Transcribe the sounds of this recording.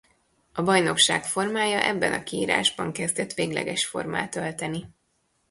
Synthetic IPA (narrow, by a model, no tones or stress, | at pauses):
ɒbɒjno̞kʃaːkfo̞rmaːjɒʔɛbːɛnɒkiiːɾa̰ːʒbɒŋkɛzd̪ɛt̪ʋeːɡlɛ̰ɡɛʃfo̞̰rma̰ːt̪ølt̪ɛni